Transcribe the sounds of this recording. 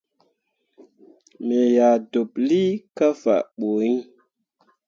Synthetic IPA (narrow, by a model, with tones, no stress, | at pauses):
me˨ja˨do˨pli˦ka˦fa̰˨ɓo˨i˦